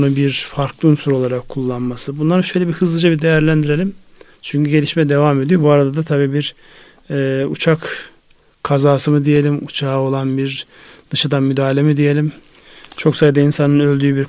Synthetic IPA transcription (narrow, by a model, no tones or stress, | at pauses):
nubiɾfaɾklˠɯunsuɾo̞lˠaɾakʰːulˠːanmasɯbunlˠaɾɯʃø̞jlʲɛbihɯzlˠɯd͡ʒabid̪e̞jæɾlʲænd̪iɾe̞lʲim | t͡ʃʰyɲcyɟe̞lʲiʃmɛd̪e̞vame̞d̪ijobuaɾad̪ad̪at̪ʰabiːbiɾː | ut͡ʃʰak | kʰːazaːsɯmɯd̪ije̞lʲimut͡ʃʰaːo̞lˠanbiɾd̪̥ɯʃad̪anmyd̪aːilʲemid̪ije̞lʲim | t͡ʃʰo̞ksajd̪ainsanɯnø̞lʲd̪yːybiɾ